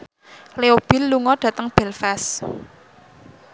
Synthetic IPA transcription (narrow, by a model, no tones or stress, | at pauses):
leob̥i̤lːuŋɔɖ̥ä̤t̪əŋb̥ɛ̤lfas